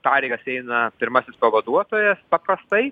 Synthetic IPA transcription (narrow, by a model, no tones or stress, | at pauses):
pɑːɾʲɛɪɡɐsɛɪnɐpʲɪɾmɐsʲɪspɐʋɐd̪uɔt̪oːjɛspɐpɾɐst̪ɐɪ